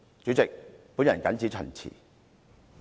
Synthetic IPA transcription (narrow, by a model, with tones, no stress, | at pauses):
t͡ʃy˨˥t͡sɪ˨k̚puː˨˥njɐ˨˩nkɐ˨nt͡sʰiː˨˥t͡ʃʰœ̰˨˩nt͡sʰḭː˨˩